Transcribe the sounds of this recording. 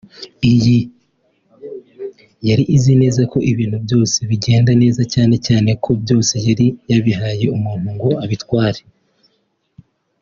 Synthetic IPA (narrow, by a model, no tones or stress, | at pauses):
iji | jaɾiʔizine̞ːzako̞ʔiβiːn̥hubjo̞ːse̞βiɟe̞ːndane̞ːzacaːne̞caːne̞kʰo̞bjo̞ːse̞jaɾijaβihaːje̞umuːn̥uŋɡoaβitwaːɾe